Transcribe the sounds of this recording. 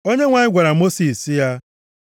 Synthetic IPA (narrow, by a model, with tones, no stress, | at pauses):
o˦ɲe˦ŋʷa˨ɲɪ˦ɡʷa˨ɾa˨mo˦si˨si˦ja˦